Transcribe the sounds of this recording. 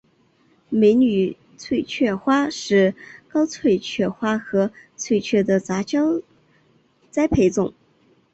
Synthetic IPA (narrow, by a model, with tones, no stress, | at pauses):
me˧˥ɪny˨˩ | t͡sʰwe˥˧ɪt͡ɕʰɥɛ˥˩xwa˥ʂɻ̩˥˩kɑ˥ʊt͡sʰwe˥˧ɪt͡ɕʰɥɛ˥˩xwa˥xɤ˧˥t͡sʰwe˥˧ɪt͡ɕʰɥɛ˥˩d̪ə˩t͡sa˧˥t͡ɕjɑ˥ʊ | t͡sa˥ɪpʰe˧˥ɪt͡sʊ˨˩˦ŋ